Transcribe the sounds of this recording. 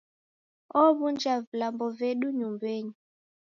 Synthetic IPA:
ɔβund͡ʒavilambɔvɛɗuɲumbɛɲi

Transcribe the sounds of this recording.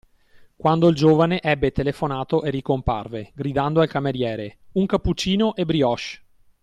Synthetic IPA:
kwand̪oild͡ʒoːvaneʔɛbːet̪elefonaːt̪oʔerikompa̰rveɡɾid̪and̪oalkameɾjɛːɾeuŋkapːut͡ʃːiːnoʔebɾiɔʃ

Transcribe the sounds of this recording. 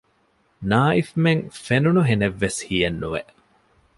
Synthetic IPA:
naːifmeŋfenunuɦeneʋːeshijenːuʋeʔ

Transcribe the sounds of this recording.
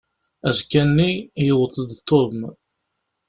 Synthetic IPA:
æzkːænːijəwət̪ˤːəd̪t̪ˤʰːoðm

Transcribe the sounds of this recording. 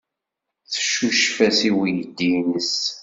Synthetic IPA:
θə̥ʃːuʃfæsiwijəd̪ːinəs

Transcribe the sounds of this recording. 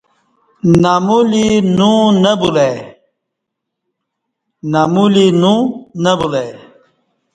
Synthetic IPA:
namulinũnəbule | namulinũnɐbule

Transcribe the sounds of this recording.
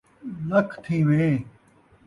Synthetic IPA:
lɐkʰt̪ʰĩːʋẽː

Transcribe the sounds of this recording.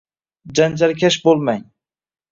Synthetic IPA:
d͡ʒand͡ʒaɾkʲʰaʃbolˠmaɲ

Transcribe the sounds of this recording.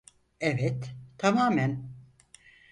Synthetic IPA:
ɛvɛt̪ːʰamaːmæn

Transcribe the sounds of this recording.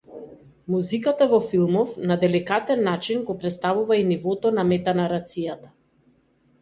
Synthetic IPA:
muzikat̪avɔfilˠmɔfnad̪ɛlikat̪ɛnːat͡ʃinɡɔpɾɛt̪st̪avuvainivɔt̪ɔnamɛt̪anaɾat̪sijat̪a

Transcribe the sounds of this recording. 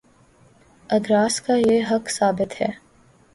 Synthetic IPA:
ɐd̪ɾaːskajeɦɐksaːbɪt̪hɛ̰ː

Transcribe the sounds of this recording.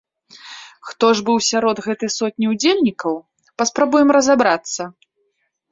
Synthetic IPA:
xt̪ɔʐbɨwsʲaɾɔd̪ɣɛt̪ɨjsɔt̪̚ʲnʲiud͡zʲelʲnʲikɐw | pɐspɾabujɛmɾɐzabɾat̪sːɐ

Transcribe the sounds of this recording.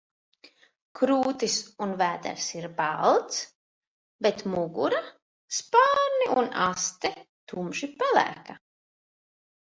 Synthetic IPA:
kɾuːt̪isunvæːd̪ɛ̰ɾsiɾbalˠt̪s | bet̪muɡṵɾa | spaːɾniʔunast̪ɛt̪umʒipɛlæ̰ːka

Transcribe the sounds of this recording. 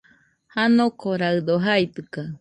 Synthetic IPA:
hanokoɾaɨd̪oɦait̪ɨka

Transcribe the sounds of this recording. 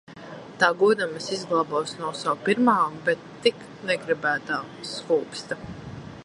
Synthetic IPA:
t̪aːɡuɔd̪amɐsizɡlˠabɔːsnuɔsawpiɾmaːmbɛt̪ːik | nɛɡɾibæːt̪aː | skuːpst̪a

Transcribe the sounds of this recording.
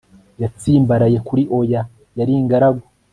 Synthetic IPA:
jat͡siːmbaɾaje̞kuɾiʔo̞ja | jaɾiŋɡaɾaɡo

